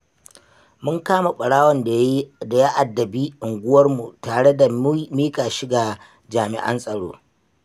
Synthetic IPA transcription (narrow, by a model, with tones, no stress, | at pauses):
mʊ˦ŋkaː˦ma˨ɓɐ˨ɽaː˦wɔ˨nda˨da˨ja˦ʔa˨dːɐ˨biː˦ʔɪ˨ŋɡʷʊ˦wɐ˦rmu˨taː˨ɽe˦da˨miː˦kʼaː˨ʃi˦ɡa˨ | d͡ʒaː˨mɪ̰˨ʔɐ̰˦nsʼɐ˨ɽo̰ː˦